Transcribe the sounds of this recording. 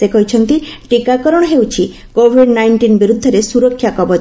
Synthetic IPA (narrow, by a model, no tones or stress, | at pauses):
sekɔɦit͡ʃʰɔnt̪iʈikakɔɾɔɽ̃ɔɦewt͡ʃʰi | kobʱiɖnajɳʈinbiɾud̪ʱːɔɾesuɾɔkʰːjakɔbɔ